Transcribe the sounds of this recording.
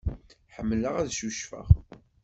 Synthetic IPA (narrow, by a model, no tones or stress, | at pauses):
ħəmːləʁæðʃuʃfə̰ʁ